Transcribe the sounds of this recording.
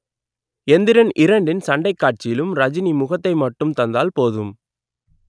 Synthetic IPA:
ɛnd̪ɪɾɐnʔɪɾɐɳɖɪnsɐɳɖɐɪkːaːʈ̚t͡ʃɪjɪlɯmɾɐd͡ʒɪnimʊɣɐt̪ːɐɪmɐʈːɯmt̪ɐnd̪aːlpoːðɯm

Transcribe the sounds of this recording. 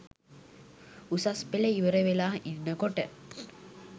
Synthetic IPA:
usaspeləiʋəɾeʋelaːʔinːəkoʈə

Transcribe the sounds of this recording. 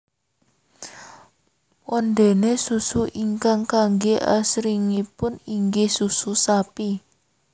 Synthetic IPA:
wɔnd̪enesusuʔiŋkaŋkaŋɡeʔa̰sɾiŋipʊniŋɡehsususapi

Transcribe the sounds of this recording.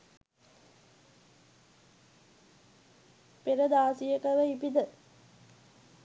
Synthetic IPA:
peɾəd̪aːsijəkəʋəipid̪ə

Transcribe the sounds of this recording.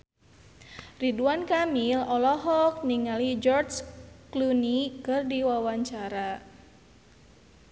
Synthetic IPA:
riduankamilɔlɔɦɔk̚niŋalid͡ʒɔrt͡ʃklunikɨrdiwawaɲt͡ʃaɾa

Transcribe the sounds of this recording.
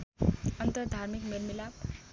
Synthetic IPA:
ʌnt̪ʌɾd̪ʱaɾmikmelmilab

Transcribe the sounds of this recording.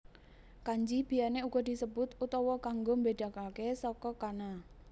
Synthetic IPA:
kaɲd͡ʒib̥i̤janeuɡ̥ɔ̤d̪̥i̤səbʊt̪ut̪ɔwɔkaŋɡombed̥a̤kalkesɔkɔkana

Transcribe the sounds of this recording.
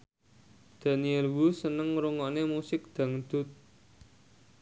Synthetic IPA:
d̪̥a̤niɛlwusənəŋɾuŋɔnemusɪk̚d̪̥ä̤ŋd̪̥ʊ̤t̪̚

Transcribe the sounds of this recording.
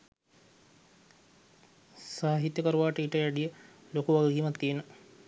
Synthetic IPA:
saːɦit̪jəkəɾuʋaːʈəiʈəjæɖijə | lokuʋaɡəɡiːmɐt̪ːiːnə

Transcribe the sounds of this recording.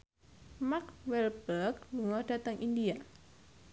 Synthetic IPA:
makwɛlbəɡluŋɔd̥at̪əŋʔindia

